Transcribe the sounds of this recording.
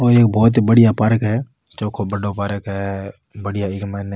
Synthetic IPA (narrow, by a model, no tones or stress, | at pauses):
oeːkbɔːt̪bɐɽijapaːɾəkɦɛː | t͡ʃoːkʰobɐɖopaːɾəkɦɛ | bɐɽijaɪkmɛːn